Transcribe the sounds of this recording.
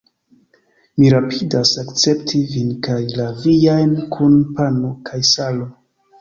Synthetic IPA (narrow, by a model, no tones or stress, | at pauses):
miɾapʰidasakt͡se̞ptʰivinkajlavijajnkʰunpanokʰajsalo